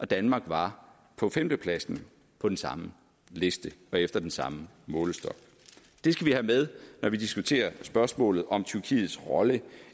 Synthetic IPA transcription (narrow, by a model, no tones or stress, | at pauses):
ʔɒ̽d̥ænmɑ̈ːɡ̥ʋɑ̈ | pʰɒ̽femd̥əpʰlæsn̩ | pʰɒ̽d̥ensɑ̈mə | le̝sd̥əɒ̽efd̥ɐd̥ensɑ̈mə | mɔ̽ːləsd̥ɒ̽ɡ̥ | d̥e̝sɡ̥æʋihæmeð̞ˠnɒʋid̥isɡ̥ut͡sʰe̝̰ːɐsb̥ɶɐsmɔ̰̽ːlð̩ˠɒ̽mt͡sʰyɐkʰḭːð̞̩ˠsʁɒ̽lə